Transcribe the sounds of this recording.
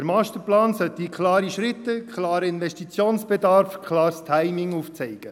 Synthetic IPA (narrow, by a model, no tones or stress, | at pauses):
ɾmɑːst̪əɾplɑːnsœt̪ːikʰlɑːɾiʃɾɪt̪ːəkʰχlɑːɾəɪnʋɛʃtit͡sjoːnsb̥ɛd̪ɑːɾfkʰlɑːɾst̪ʰæɪmɪŋuːft͡sɛɪɡ̥ə